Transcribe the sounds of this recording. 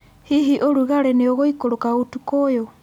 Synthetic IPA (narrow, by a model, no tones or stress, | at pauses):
hiɦiʔoɾuɣaɾeneoɣoikoɾokaotukojo